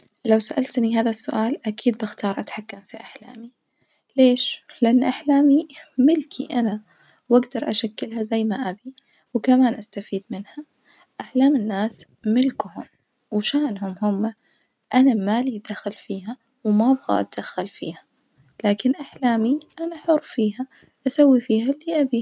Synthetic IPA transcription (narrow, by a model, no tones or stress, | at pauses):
lawsaʔalt̪niɦaːðasːʊʔaːlʔakʰiːd̪̚bɪxt̪ɑːɾˤʔat̪ħakːamfiʔaħla̰ːmi | leːʃlɪʔanːʔaħlaːmimɪlkʰḭʔana | waɡd̪ɑɾˤʔaʃakːɪlɦazajːmaʔabi | wkamaːnʔast̪afiːd̪mɪnha | ʔaħlaːmɪnːaːs | mɪlkʊhʊ̰m | wʃaːnɦʊmhʊmːa | ʔanamalid̪axalfiːɦa | wmabɣa̰ʔa̰d̪̥axːalfḭːha | laːkɪnʔaħlaːmiʔanaħʊrˤːfiːɦa | ʔasawːifiːhalːiːʔabi